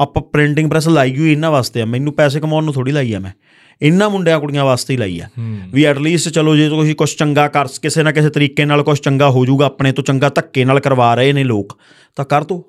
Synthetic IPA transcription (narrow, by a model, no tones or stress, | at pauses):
əpãːpɾɪ̃ɳʈɪ̃ŋɡpɾɛːs̬laːiːɡuiɪnːãːʋaːst̪eːaːmɛ̃ːɪnːũːpɛːs̬eːkəmãːnːũːt̪ʰoːɽiːlaːiːa̰ːmɛ̃ː | ɪnːãːmʊɳɖjãːkʊɽijãːʋaːst̪eːila̰ːḭːa̰ːʋiːɛːʈliːsʈt͡ʃəloːd͡ʒeːt̪õkʃiːkʊt͡ʃʰt͡ʃəŋɡaːkəɾskɪseːnaːkɪseːt̪əɾiːkeːnaːlkʊt͡ʃʰt͡ʃəŋɡaːɦoːd͡ʒuːɡaːpɳeːt̪õːt͡ʃəŋɡaːt̪əkːeːnaːlkəɾʋaːɾəeːneːloːk | t̪ãːkəɾt̪õː